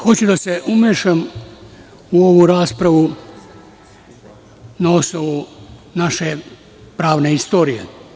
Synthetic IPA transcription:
xo̞t͡ɕud̪aseʔumʲjeʃam | uo̞ʋuɾaːspɾaʋu | nao̞snoʋunaʃe̞ | pɾaːʋne̞ist̪o̞ːɾijḛ

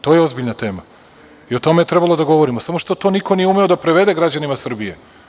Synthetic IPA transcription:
t̪o̞jeozbiʎnat̪e̞ːma | io̞t̪o̞me̞jet̪ɾe̞balˠo̞d̪aɡo̞ʋo̞ɾimo̞samoʃt̪o̞t̪o̞ːniko̞nijeume̞od̪apɾe̞ʋe̞d̪e̞ɡɾad͡ʑanimasr̩bije̞

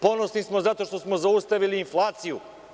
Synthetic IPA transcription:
po̞no̞snismozat̪o̞ʃt̪o̞smo̞zaust̪aʋiliːnflˠaːt̪siju

